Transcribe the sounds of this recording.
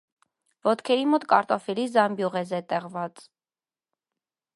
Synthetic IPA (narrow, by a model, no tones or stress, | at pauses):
vɔt̪kʰɛɾimɔt̪kɑɾt̪ɔfɛlizɑmbjuʁɛzɛt̪ɛʁvɑt͡s